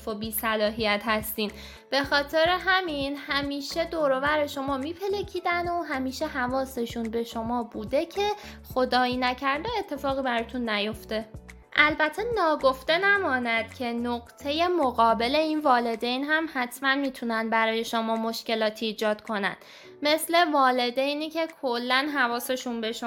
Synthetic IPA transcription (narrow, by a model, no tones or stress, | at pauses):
fobiːsælɒːɦijæt̪hæst̪iːn | b̥e̞xɒːt̪ʰe̞ɾeɦæminhæmiːʃe̞d̪oːɾo̞væɾe̞ʃo̞mɒːmiːpʰe̞lecʰiːd̪ænoɦæmiːʃe̞hævɒːse̞ʃunbe̞ʃo̞mɒːbuːd̪e̞cʰe̞xo̞d̪ɒːiːnæcʰæɾd̪ee̞t̪ʰːe̞fɒːɣiːbæɾɒːt̪ʰunːæjo̞ft̪e̞ | ʔælbæt̪ʰe̞nɒːɡo̞ft̪e̞næmɒːnæd̪̥cʰe̞noɢt̪ʰe̞je̞moɣɒːbe̞le̞iːnvɒːle̞d̪e̞jnɦæmhæt̪ʰmænmiːt̪ʰunænbæɾɒːje̞ʃomɒːmo̞ʃce̞lɒːt̪ʰiːd͡ʒɒːd̪̥kʰo̞næ̰n | me̞sle̞vɒːle̞d̪ejnicʰe̞kʰolːænɦævɒːse̞ʃunbe̞ʃo